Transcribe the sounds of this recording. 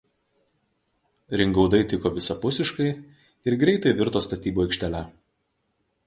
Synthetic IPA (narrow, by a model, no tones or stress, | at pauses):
ɾʲɪŋɡɒʊd̪ɐɪt̪ʲɪkoːʋʲɪsɐpʊsʲɪʃkɐɪ | ɪɾɡɾʲɛɪt̪ɐɪʋʲɪɾt̪oːst̪ɐt̪ʲiːbuːɪkʲʃʲt̪ʲɛlʲæ